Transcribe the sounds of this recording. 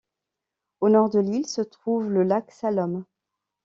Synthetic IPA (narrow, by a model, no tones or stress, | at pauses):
onɔʁd̪əlilsət̪χuvləlaksalɔm